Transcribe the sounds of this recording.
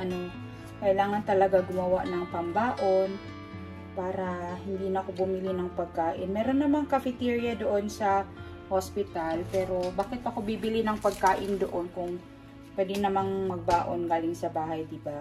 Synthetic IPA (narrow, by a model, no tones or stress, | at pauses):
ʔɐno̞ | kɐʔɪlaːŋɐnt̪ɐlɐɡaɡʊmɐwaʔnɐŋpɐmbaːʔo̞n | paːɾɐhɪnd̪inɐko̞bʊmɪlɪnɐŋpɐɡ̚kaːʔɪnmɛːɾo̞nːɐmaŋkɐfɪt̪iɹjɐd̪oʔo̞nsɐ | hospɪt̪alpɛːɾo̞baːkɪt̪̚ʔɐko̞bibɪlɪnɐŋpɐɡ̚kaːʔɪnd̪oʔo̞nkʊŋ | pwɛːd̪ɛnɐmaŋmɐɡ̚baːʔo̞nɡaːlɪŋsɐbaːɦɐjd̪ɪba